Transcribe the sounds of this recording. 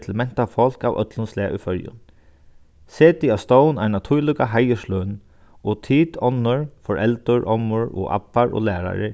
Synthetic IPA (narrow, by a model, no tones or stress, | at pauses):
t̪ʰɪlmɛn̥t̪afɔl̥ka̰wœ̰t̪lʊnslɛːʔufœɾjʊ̰n | seːt̪ɪast̪ownanat̪ʰulɪkaɦajəʃløːn | ɔt̪ʰiːt̪ʰɔnːʊɹfɔɹʔɛlt̪ʊɹʔɔmːʊɹɔ̰ʔa̰pːaɹʔɔ̰læːɾa̰ɹɪ̰